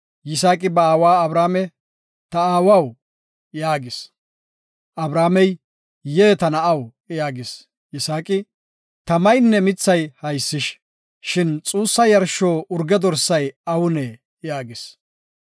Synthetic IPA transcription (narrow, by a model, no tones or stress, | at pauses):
jɪs̬aːkʼɪbɐaːwaːɐbɾaːmɛ | t̪ɐaːwɐw | jaːɡɪs | ʔɐbɾaːmɛj | jeːt̪ɐnɐɐw | jaːɡɪs | jɪsaːkʼɪ | t̪ɐmɐjnːɛmɪt͡sːɐjhɐjsːɪʃ | ʃɪnt͡sʼuːsːɐjɐɾʃːo̞ːʔʊɾɡɛd̪ɔɾsːɐjɐwʊnɛ | jaːɡɪs